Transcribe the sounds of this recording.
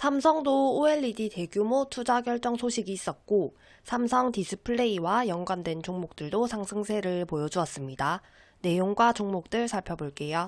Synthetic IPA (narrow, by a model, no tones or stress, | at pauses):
sʰamsʰʌŋdoːe̞ɭːidite̞ɡjumotʰud͡ʑaɡjʌɭt͡ɕ͈ʌŋsʰoɕʰiɡiːs͈ʌt̚k͈o | sʰamsʰʌŋtisʰɯpʰɯɭːe̞iwajʌŋɡwandwe̞nt͡ɕoŋmok̚t͈ɯɭdosʰaŋsʰɯŋsʰe̞ɾɯɭpojʌd͡ʑuʌs͈ɯmɲida | ne̞joŋɡwat͡ɕoŋmok̚t͈ɯɭsʰaɭpʰjʌboɭk͈e̞jo